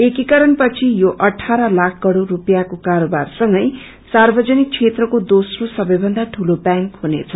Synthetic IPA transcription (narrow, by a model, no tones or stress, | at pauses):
ekikʌɾʌnpʌt͡sʰijoʔʌʈʰaɾʌlakʰkʌɽorupjakokaɾobarsʌŋɡʌj | sarbʌd͡zʌnik̚t͡sʰet̪rʌkod̪osrosʌbʌjbʱʌnd̪aʈʰulobaŋkɦunet͡sʰʌ